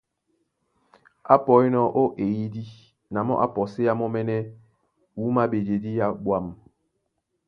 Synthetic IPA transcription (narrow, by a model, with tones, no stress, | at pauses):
a˦pɔ˨e˦nɔ˦˨ʔo˦ʔe˨ji˦di˦ | na˨mɔ̰˦ʔa̰˦pɔ˨se˦ja˦mɔ˦mɛ˦nɛ˦ | wu˨˦ma˦be˨d͡ʒe˨di˦ja˦ɓwa˦˨m